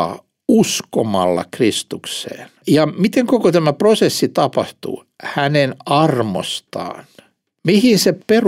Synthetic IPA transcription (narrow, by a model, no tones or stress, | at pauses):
usko̰mɑlːɑ̰krist̪uksḛːnjɑmit̪eŋkokot̪æmæprosesːit̪ɑpɑht̪ṵ | hænenɑrmo̰st̪ɑ̰ːn | mihinseper